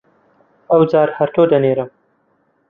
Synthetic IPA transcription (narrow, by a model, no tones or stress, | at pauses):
ɐwd͡zaːɾhɐɾt̪ʰoːd̪ɐneːɾɨm